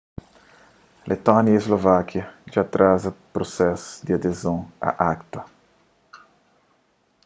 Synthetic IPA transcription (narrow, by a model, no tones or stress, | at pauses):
lʔet̪ɔnjɐezlovakʰjɐd͡ʒat̪ɾazɐpɾosɛsd̪iad̪ezõŋa̰ʔakt̪ɐ